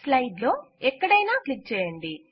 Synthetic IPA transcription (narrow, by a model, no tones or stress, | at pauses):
slɐjɖlo̞ːɛkːɐɽɐjnaːklik̚t͡ʃɛːjɐɳɖi